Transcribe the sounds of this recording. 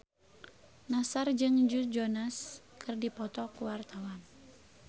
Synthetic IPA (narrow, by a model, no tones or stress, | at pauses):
nasard͡ʒɨŋd͡ʒud͡ʒɔnaskʰɨrdipɔt̪ɔkuwart̪awan